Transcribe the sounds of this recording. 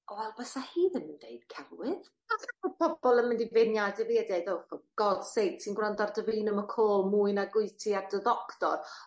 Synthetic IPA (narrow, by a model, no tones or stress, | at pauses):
ɔwɛlˠbɛsahiːðənməndeɨd̥kʰɛlwɪð | asaɔpʰɔb̥ɔlˠənmɪndivenjadɪviɛdɛðowfɔɡ̥ɔd̥sejnsʰinɡwrɔndardəvinəməkʰoːlˠmuɨnaɡʊɨtʰiardəðɔktɔ̰r